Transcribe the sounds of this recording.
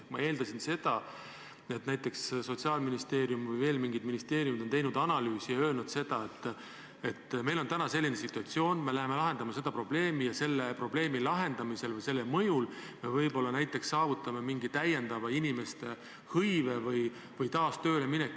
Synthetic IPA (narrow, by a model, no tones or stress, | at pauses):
mɑe̞ːld̪̥ɑsinse̞d̪̥ɑ | e̞t̪næjt̪ːˑe̞ksso̞tsiɑːlminist̪e̞ːɾijumvɯjve̞ːlmiŋɡid̪minist̪e̞ːɾjumid̪o̞nt̪e̞jnud̪ɑnɑlyːsijɑø̞ːlnud̪̥se̞d̪̥ɑe̞t̪ːˑ | e̞t̪ːme̞jlo̞nt̪ænɑse̞lʲːine̞sit̪ːˑuɑt̪sio̞ːnme̞læɦeme̞lɑɦe̞nd̪̥ɑmɑse̞d̪̥ɑpro̞ble̞ːmijɑse̞lːe̞pro̞ble̞ːmilɑɦe̞nd̪̥ɑmise̞lvɯjse̞lːemɤjulme̞vɤjbo̞lːɑnæjt̪ːˑe̞ksːɑːvut̪ːˑɑmemiŋɡit̪æjend̪̥ɑvɑinʲime̞st̪e̞ | hɤjve̞vɤj | vɤjt̪ɑːst̪ø̞ːle̞minekː